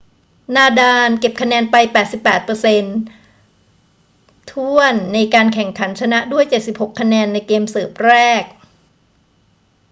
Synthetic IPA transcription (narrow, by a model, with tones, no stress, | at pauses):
naː˧daː˧nke˨˩p̚kʰa˧nɛː˧npa˧jpɛː˨˩t̪̚si˨˩pːɛː˨˩t̪̚pɤː˧se˧n | t̪ʰu˥˩ənːa˧jkaː˧nkʰɛ˨˩ŋkʰa˩˦nt͡ɕʰa˧na˦˥ʔdu˥˩əjt͡ɕe˨˩t̪̚si˨˩p̚ho˨˩kʰːa˧nɛː˧nːa˧jkeː˧msɤː˨˩p̚ɾɛː˥˩k̚